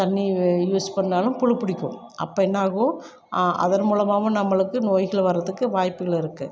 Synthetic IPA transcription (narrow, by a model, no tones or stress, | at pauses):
t̪ɐɳːijuːspɐɳːaːlɯmpʊɻɯpːʊɽɪkʲːɯ̰̃m | ʔɐ̰pːɐːɛnːaːɣõː | ʔɐ̰ðɐnmuːlɐmaːʋʊ̃nɐmːɐɭɯkːɯnoːjɣɐɭʋɐrːɐðɯkːɯʋaːjpːɯɣɐɭɪɾɯkːɯ̰